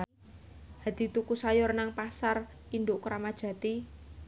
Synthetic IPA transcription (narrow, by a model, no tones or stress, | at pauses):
ha̤d̪̥i̤t̪ukusajɔrnaŋpasar | ind̪ʊʔkɾamad̥ʒ̥ä̤t̪i